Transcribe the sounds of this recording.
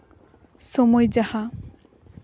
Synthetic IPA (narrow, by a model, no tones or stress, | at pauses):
sɔmɔjd͡ʑaha